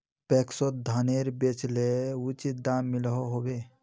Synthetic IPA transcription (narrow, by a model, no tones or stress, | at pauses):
pɛksot̪̚d̪ʱaneɾbet͡ʃleut͡ʃit̪̚d̪amilɦɔɦobe